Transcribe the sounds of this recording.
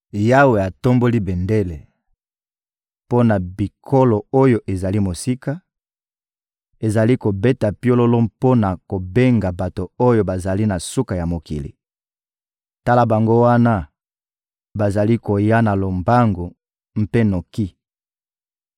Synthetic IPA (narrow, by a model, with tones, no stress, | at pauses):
ja˦we˨a˨to˦mbo˦li˦be˨nde˦le˨ | po˦na˨bi˨kʰo˦lo˨o˦jo˦ʔe˨za˨li˦mo˨si˦ka˦ | e˨za˨li˦ko˨be˦ta˨pjo˦lo˦lo˦po˦na˨ko˨be˦ŋɡa˨ba˨to˨o˦jo˦ba˨za˨li˦na˨su˦ka˨ja˨mo˨kḭ˨lḭ˨ | ta˦la˦ba˨ŋɡo˦wa˦na˦ | ba˨za˨li˦ko˨ja˦na˨lo˨mba˦ŋɡo˨ | m̩˦pe˦no˨ki˦